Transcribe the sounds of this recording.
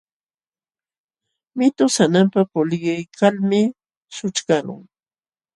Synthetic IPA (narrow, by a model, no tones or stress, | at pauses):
mɪt̪ʊsanampapʊlɢɪjkʰalmɪ | sʊt͡ʃkalʊ̰ŋ